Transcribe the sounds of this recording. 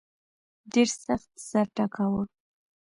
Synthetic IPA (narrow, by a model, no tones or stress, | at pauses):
ɖeɾsaxt̪saɾʈakawə